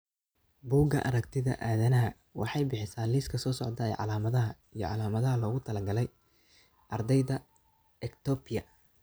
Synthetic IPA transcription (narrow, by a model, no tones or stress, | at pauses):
buːɡɐ̰ʔɐɾɐkt̪ʰɪðɐ̰ʔaːðɐnɐɦɐ | wɑ̰ħɑjbɪħɪsaːliːskʰɐsɔːsɔʕd̪ɐɛ̰jʕɑ̰laːmɐðɐɦɐ | ijɞ̰ʕɑlaːmɐðɐɦɐlɔːɣʊt̪ʰɐlɐɡɐlɛj | ʔɐrd̪ɛjðɐ | ɛkt̪ʰɔːpɪjɐ̰